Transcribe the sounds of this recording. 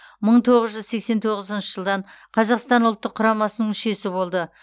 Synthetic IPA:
məɴt̪ʰo̞ʁəzʒʏzse̞kse̞nt̪ʰo̞ʁəzənʃəʒəlˠd̪ɑɴ | qʰɑzɑqst̪ɑnʊlˠt̪ːəqʰːʊɾɑmɑsənəɴʊʃe̞sɪbo̞lˠd̪ə

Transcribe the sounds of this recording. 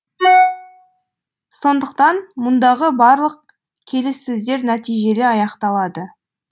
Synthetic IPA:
so̞nd̪əq̚t̪ɑnmʊnd̪ɑʁəbɑɾlˠəq̚ | kʲʰe̞lɪsːɵzd̪e̞ɾnæt̪ijʒe̞lɪɑjɑqt̪ɑlˠɑd̪ə

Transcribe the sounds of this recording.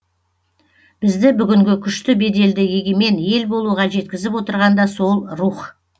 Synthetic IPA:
b̥ɪzd̪ɪbʏɡʲɪŋɡʲɪkʲʰʏʃt̪ɪbe̞d̪e̞ld̪ɪje̞ɡʲe̞me̞nje̞lbo̞lˠuʁɑʒe̞t̪̚kʲɪzɪpwo̞t̪əɾʁɑnd̪ɑso̞lˠɾuχ

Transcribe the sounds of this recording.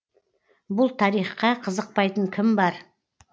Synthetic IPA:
bʊlˠt̪ʰɑɾijχqɑqʰəzəq̚pɑjt̪əɴkʲʰɪmbɑɾ

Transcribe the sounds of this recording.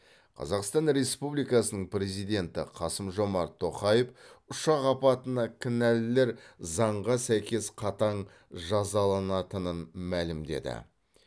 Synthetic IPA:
qʰɑ̰zɑqst̪ɑnɾe̞spublijkɑsənəɴpɾe̞zijd̪ʲe̞nt̪ɪ̰qʰɑsəmʒo̞mɑɾt̪ʰːo̞qɑjefʊʃɑqɑpɑt̪ənɑkʲʰɪnællːe̞ɾzɑɴʁɑsæjkʲe̞sqʰɑt̪ɑɴ | ʒɑzɑlˠɑnɑt̪ənənmælɪmd̪e̞̰d̪ɪ̰

